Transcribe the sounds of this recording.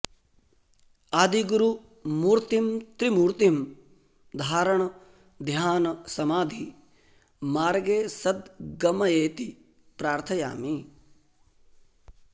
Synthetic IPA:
aːd̪ʱiɡuɾu | muːɾt̪imt̪ɾimuːɾt̪im | d̪ʱaːɾɐɳɐ | d̪ʱjaːnɐsɐmaːd̪ʱi | maːɾɡeːsɐd̪ɡɐmɐjeːt̪i | pɾaːɾt̪ʰɐja̰ːmi

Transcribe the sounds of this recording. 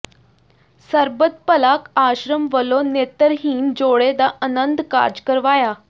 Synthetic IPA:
səɾbət̪̚pəlakaɕɾəmʋəlonet̪əɾɦiːnd͡zoɭed̪aʔənənd̪ʱka̰ɾd͡ʑkəɾʋaja

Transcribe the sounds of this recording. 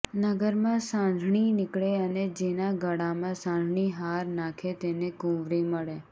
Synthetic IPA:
nəɡəɾmãsãnd̪ʱɳ̃inɪkɭeəned͡ʒenaɡəɽamãsãnd̪ʱɳiɦaɾnakʰet̪enekũʋɾiməɭe

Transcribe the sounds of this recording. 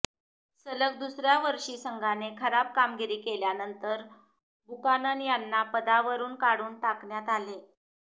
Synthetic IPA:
sələk̚d̪usɾjaʋəɾʂiːsəŋɡʱanekʰəɾab̚kamɡiɾiːkeljanənt̪əɾ | bukananijanːapəd̪aʋəɾuːnkaɽuːnʈakɳjat̪ale

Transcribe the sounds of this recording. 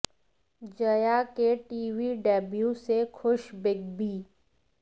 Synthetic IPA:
d͡ʒəjakeʈiːwiːɖɛːbjusekʰʊʃbɪɡbiː

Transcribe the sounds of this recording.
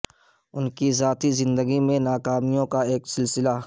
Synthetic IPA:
ʊnkizaːt̪izɪ̃nd̪əɡimẽnaːkaːmijõkaeːksɪlsɪla

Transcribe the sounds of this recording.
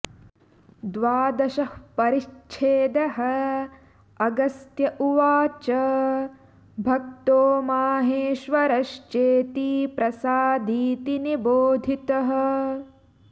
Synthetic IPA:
d̪ʋaːd̪ɐʃɐhpɐɾiʃt͡ʃʰeːd̪ɐɦɐ | ɐɡɐst̪jɐʔuʋaːt͡ʃɐ | bʱɐk̚t̪oːmaːɦeːʃʋɐɾɐʃt͡ʃeːt̪ipɾɐsaːd̪ʱiːt̪iniboːd̪ʱit̪ɐɦɐ

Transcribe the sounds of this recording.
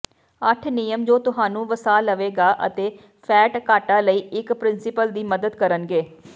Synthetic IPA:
əʈʰnɪjəmd͡ʒoːt̪ʊɦaːnũːʋəsaːləʋeːɡaːʔə̰t̪eː | pʰɛːʈkaːʈaːləiːɪkpɾɪnsɪpəld̪iːməd̪əd̪kəɾənɡeː

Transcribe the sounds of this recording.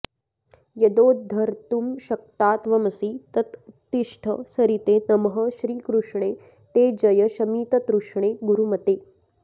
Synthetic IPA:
jɐd̪oːd̪ʱɐɾt̪umʃɐk̚t̪aːt̪ʋɐmɐsiːt̪ɐt̪t̪ːiʂʈʰɐ̰sɐɾit̪eːnɐmɐɦɐ̆ʃɾiːkɾuʂɳeː | t̪eːd͡ʒɐjɐʃɐmiːt̪ɐt̪ɾuʂɳeːɡuɾumɐt̪eː

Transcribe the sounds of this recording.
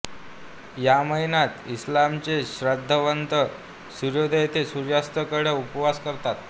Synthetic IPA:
jaməinat̪islamt͡ɕeɕɾəd̪ʱːəʋənt̪ə | suɾjod̪ʱəjt̪ʰesuɾjast̪əkəɽeupʋaskəɾt̪at̪

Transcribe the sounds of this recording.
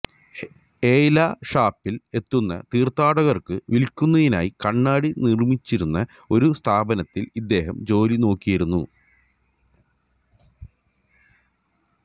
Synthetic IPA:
e̞ːlaʂaːpːile̞t̪ːunːɐ̰t̪iːrt̪aːɽɐɣɐrkɨʋilkʲːunːɐðina̰ːjikɐɳːaːɽinirmit͡ɕːiɾunːɐ | o̞ɾust̪ʰaːbɐnɐt̪ːilid̪ːe̞ːɦɐmd͡ʑo̞ːlino̞ːkːijɐɾunːu

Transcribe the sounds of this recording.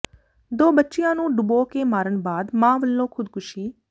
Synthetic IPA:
d̪oːbətːʃɪjãːnũːɖʊboːkeːmaːɾənbaːd̪mãːʋəlːõːkʰʊd̪kʰʊʃiː

